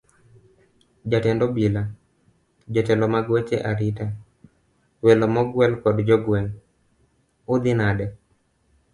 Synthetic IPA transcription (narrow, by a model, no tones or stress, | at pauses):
d͡ʒatɛndɔbila | d͡ʒɔtɛlɔmaɡwet͡ʃeʔaɾita | wɛlɔmɔɡwɛlkɔdd͡ʒɔɡwɛŋ | ʊd̪ɪnadɛ